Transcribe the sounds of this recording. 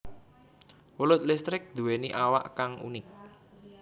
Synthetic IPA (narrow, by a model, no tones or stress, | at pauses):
wulʊt̪̚list̪ɾɪk̚d̪̥ṳweniʔawa̰ʔkaŋṵnɪk̚